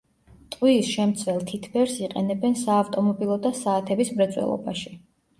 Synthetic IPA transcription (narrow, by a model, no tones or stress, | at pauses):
t̪ʼqʼwiːsʃɛmt̪sʰvwɛlˠt̪ʰit̪ʰbɛɾsiqʼɛnɛbɛnsaːft̪ʼɔmɔbilˠɔd̪asaːt̪ʰɛbismɾɛt̪sʼwɛ̰lˠɔ̰baʃi̥